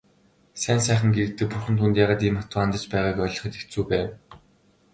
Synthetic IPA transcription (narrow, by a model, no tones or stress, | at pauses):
sæːnsæːχə̆ŋɡeɾɘ̆kt̪ɘ̆k̚purxɘ̆nt̪ʰunt̪jaːʁaːt̪iːmχat̪ʊːant̪ə̆t͡ɕpæːʁaːkɔːɮʲɞ̆χɞ̆t̪ekt͡suːpæːw